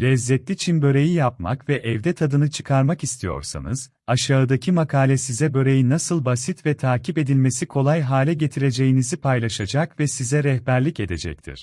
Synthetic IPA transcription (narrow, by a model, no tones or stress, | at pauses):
lʲɛzːɛt̪lʲit͡ʃʰinbø̞ɾe̞jijap̚ma̰kvɛʔɛvd̪ɛt̪ʰad̪ɯnɯt͡ʃʰɯ̥kʰaɾmakist̪ʰijo̞̰ɾsa̰nɯ̰z̥ | aʃaɯd̪acʰimakʰaːlʲɛsizɛbø̞ɾe̞jinasɯlˠbasit̪vɛt̪ʰaːcʰipe̞d̪ilʲmesikʰo̞lˠajɦaːlʲɛɟe̞t̪ʰiɾe̞d͡ʒe̞jinizipʰajlˠaʃad͡ʒakvɛsizɛɾɛhbæɾlʲice̞d̪e̞d͡ʒɛ̰ct̪ʰḭɾ̥